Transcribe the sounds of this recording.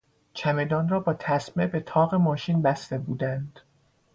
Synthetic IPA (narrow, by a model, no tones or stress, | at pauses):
t͡ʃʰæme̞d̪ɒːnrɒːbɒːt̪ʰæsme̞be̞t̪ʰɒːɣe̞mɒːʃinbæst̪e̞buːd̪ænd̪̥